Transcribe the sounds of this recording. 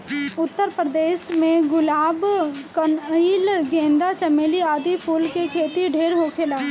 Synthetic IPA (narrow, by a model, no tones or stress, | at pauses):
ʊt̪ːəɾpɾəd̪eːʃmẽɡʊlaːbkənilɡẽːnd̪at͡ʃɐmeːliaːd̪ipʰuːlkekʰeːt̪iɖʱeːɾɦoːkʰeːlaː